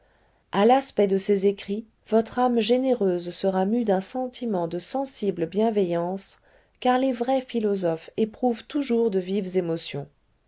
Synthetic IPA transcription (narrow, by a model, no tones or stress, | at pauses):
alaspɛd̪əsezekχi | vɔt̪χamʒeneʁøzsəʁamyd̪ɛ̃sɑ̃t̪ʰimɑ̃d̪əsɑ̃sibləbjɛ̃vejɑ̃s | kaʁlevʁɛfilɔzɔfepχuvt̪uʒuʁd̪əvivzemɔsjɔ̰̃